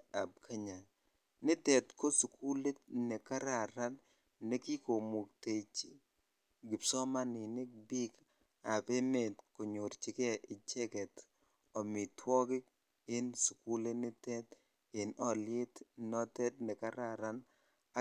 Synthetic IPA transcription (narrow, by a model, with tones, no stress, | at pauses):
a˨b̚kʰa˦ɲa˨ | nɪ˦tɛ˨tko˦su˨ku˦le˦tnɛ˨ka˦ɾa˨ɾa˦n | nɛ˦ki˦ko˨mu˨k̚te˨t͡ʃi˨ | ɡɪ˨psɔ˦ma˦nɪ˨nɪ˦k̚bi˦k | a˨pe˦me˨tko˨ɲo˨ɾt͡ʃɪ˨˦kɛ˦ʔɪ˨t͡ʃɛ˦kɛ˨t | ɔ˨mɪ˨twɔ˦kɪ˦k̚ | ɪ˦nsu˨ku˦le˦nɪ˦tɛ˦t | ɪ˨nɔ˦˨lɪɪ˦tnɔ˦tɛ˦t̚nɛ˨ka˦ɾa˨ɾa˦n | a˦